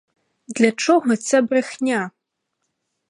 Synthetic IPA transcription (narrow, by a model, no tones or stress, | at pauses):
d̪lʲat͡ʂɔɣɔt͡sʲabɾɨxnʲa